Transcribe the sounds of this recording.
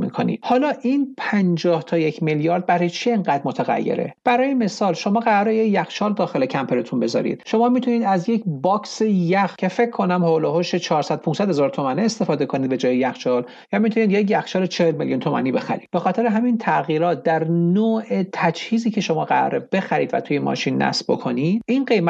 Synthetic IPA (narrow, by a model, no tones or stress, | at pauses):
mḭkʰonḭ̥hɒːlɒːʔinpʰænd͡ʒɒːht̪ʰɒːjecʰmeljɒːɾd̪̚bæɾɒjet͡ʃʰieŋɢæd̪mot̪ʰæɣæ̰jːḛɾe̞̰b̥æɾɒːjeme̞sɒːlʃo̞mɒːɣæɾɒːɾejecjæxʃɒːld̪ɒːxelecʰæmpʰeɾet̪ʰunbe̞zɒ̰ːɾḭːd̪̥ʃo̞mɒːmit̪ʰuniːd̪æzje̞cʰbɒːkʰsejæxcʰe̞fe̞kʰːonæmholoɦoʃet͡ʃʰɒːɾsæd̪̥̚pʰunsæd̪hezɒːɾt̪ʰomæniːst̪e̞fɒːd̪e̞kʰo̞nid̪be̞d͡ʒɒːjejæxt͡ʃɒːl | jɒmit̪ʰuniːd̪je̞cjæxt͡ʃɒːlet͡ʃʰehelmeljunt̪ʰo̞mæ̰niːbe̞xæ̰ɾḭːd̪̥̚be̞xɒːt̪ʰe̞ɾeɦæmint̪ʰæɣiːɾɒːt̪̚d̪æɾnoːʔet̪ʰæd͡ʒhiːziːcʰe̞ʃo̞mɒːɢæɾɒ̰ːɾebe̞xæɾḭd̪væ̰t̪ʰujemɒ̰ːʃinːæ̰sbo̞̰kʰo̞nid̪̥̚inɢe̞m